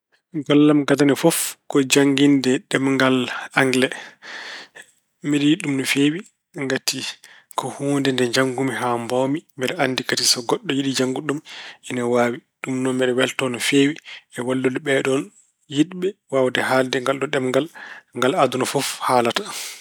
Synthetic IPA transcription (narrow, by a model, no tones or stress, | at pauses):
ɡɔlːamɡadanɛfɔfkɔd͡ʒaŋɡindɛɗɛmŋɡalaŋɡlɛ | mɛɗɛjiɗːumnɔfewi | ŋɡati | kɔhuːndɛndɛɲd͡ʒaŋɡumiɦambawmimɛɗɛanːdikatisɔɡɔɗːɔjiɗid͡ʒaŋɡuɗumɛnawaːwiɗumnɔmɛɗɛwɛltɔnɔfewiɛwalːunɛɓɛɗɔn | jiɗɓɛwawdɛhaldɛŋɡalɗɔɗɛmŋɡalŋɡaladunɔfɔfhaːlatḁ